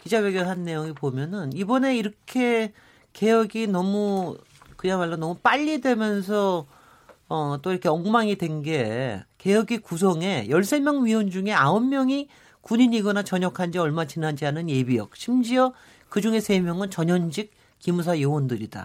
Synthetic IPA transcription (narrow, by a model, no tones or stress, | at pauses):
kid͡ʑaweɡjoɭɦanːe̞joŋipomjʌnɯnibʌne̞iɾʌkʰe̞ | ke̞jʌɡinʌmu | kɯɲamaɭːonʌmup͈aʎːidwe̞mjʌnsʰʌ | ʌt͈oiɾʌkʰe̞ʌŋmaŋidwe̞nɡe̞ke̞jʌɡikus̬ʰʌŋe̞jʌɭs͈e̞mjʌŋɥiwʌnd͡ʑuŋe̞aomːjʌŋi | kuɲiɲiɡʌnat͡ɕʌɲʌkʰand͡ʑiʌɭmat͡ɕinand͡ʑiɦanɯnje̞bijʌ̰k̚ɕʰimd͡ʑiʌ | kɯd͡ʑuŋe̞sʰe̞mjʌŋɯnt͡ɕʌɲʌnd͡ʑik̚ | kimus̬ʰajowʌndɯɾida̰